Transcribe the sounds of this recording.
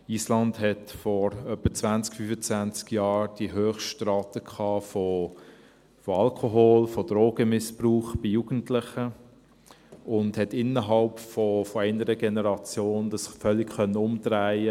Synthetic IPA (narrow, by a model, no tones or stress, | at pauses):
iːslɑndhɛtfɔɾœpːət͡svænt͡skfyːfət͡svænt͡skjɑːɾd̥iɦøːχʃtrɑːtəkʰɑːfɔ | fɔɑlkʰoɦoːlfɔd̥ɾoːɡ̥əmɪspruːχb̥ijuːɡ̥ən̩tlɪχə | ʊndhɛtɪnːəɦɑlpfɔfɔɛɪnəɾəɡɛnəɾɑt͡sjoːnd̪ɑsfœlːɪkχœnəʊmtɾæɪə